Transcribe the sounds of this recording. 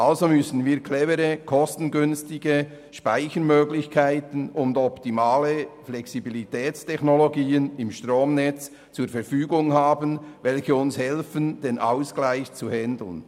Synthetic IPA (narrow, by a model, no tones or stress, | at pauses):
ʔalzomʏsn̩viːɾkʰlɛməɾəkʰɔstn̩ɡʏnstɪɡə | ʃpaɪçəɾmøːɡlɪçkʰaɪtən̩ʊndɔptimaːləflɛksibilitʰɛːt͡stʰɛçnoloɡiːənɪmʃtrʁoːmnɛt͡s | t͡suːɐɾfɛɾfyːɡʊŋhaːbənvɛlçəʊnshɛlfənd̥eːnʔa̰ʊsklaɪçt͡suhɛndl̩n